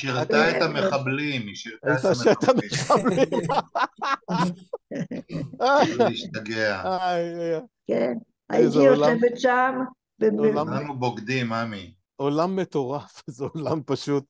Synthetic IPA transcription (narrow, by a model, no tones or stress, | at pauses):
ʃiʁt̪aetameχablimiʃiʁt̪ajit̪aʃet̪ameχablim | aiʃt̪aɡeaajaja | ken | a̰itzejolaevetʃam | beolamanuboɡd̪imami | olamːet̪o̞ʁafzeolampaʃut̪̚